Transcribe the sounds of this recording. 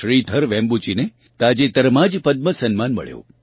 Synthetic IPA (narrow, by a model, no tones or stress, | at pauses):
ɾid̪ʱəɾʋẽmbut͡ʃine | t̪ad͡ʒet̪əɾmad͡ʒpəd̪̚məsənmanmə̰ɭjo̰